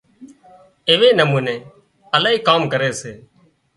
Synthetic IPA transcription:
eːʋeːnəmuːnẽː | əlaːiːkaːmkəɾeːseː

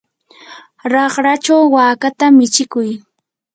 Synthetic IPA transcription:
ɾɑχɾat͡ʃawːaːkat̪amɪt͡ʃɪkʊj

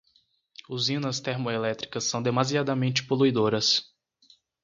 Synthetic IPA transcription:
uzĩnɐst̪eɾmoelɛt̪ɾikɐsːɐ̃w̃d̪emaziad̪ɐmẽnt͡ʃɪ̥poluid̪oɾɐs

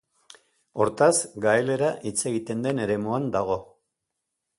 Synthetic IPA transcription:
o̞ɾt̪asɡaele̞ɾaʔit͡se̞ɣit̪e̞nd̪e̞ne̞ɾe̞muand̪aɣ̞o̞

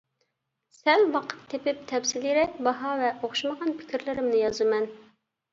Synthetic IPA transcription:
sɛlwɑqʰə̥t̪ʰːepɪp̚t̪ʰɛpsɪliɾɪbɑɦɑvɛʔoχʃuməʁɑnpʰɪ̥kʲiɾlɪɾɪmnɪjɑzɨmɛn

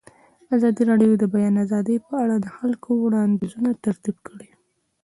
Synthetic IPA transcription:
azɑd̪iɾɑɖjod̪əbajɑnazɑd̪əjpəaɽad̪əxalkʰowɽɑnd̪izunat̪aɾt̪ibkʰəɽi

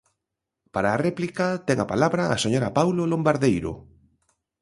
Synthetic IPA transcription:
paɾaːrɛplikat̪ɛŋapalaβɾaːseɲoɾapawlolombaɾðejɾo̰

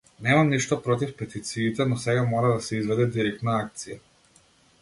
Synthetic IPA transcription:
nɛmamniʃt̪ɔpɾɔt̪̬ifpɛt̪it̪siːt̪ɛnɔsɛɡamɔɾad̪asɛizvɛd̪ɛd̪iɾɛk̚t̪naak̚t̪sija

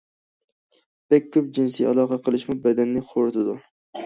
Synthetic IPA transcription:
b̥ɛk̚ʲʰːɵp̚d͡ʒɪnsijɑ̰lˠɑqɑqʰəlˠɨʃmʊbɛd̪ɛnːɪqʰoɾɨt̪ɪd̪ʊ

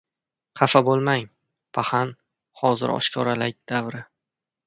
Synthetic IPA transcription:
qʰɑfabolˠmaŋ | pʰahan | hɒzɪ̰ɾɒ̰ʃkʰɒɾalak̚ʲd̪̥avɾɪ

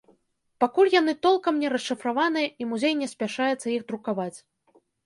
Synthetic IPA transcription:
pakulʲjan̪ɨt̪ɔlˠkɐmnʲɛɾɐsːɨfɾavan̪ɨjɐimuzʲejnʲɛsʲpʲaʂajɛt̪sːɐjixd̪ɾukavat͡sʲ

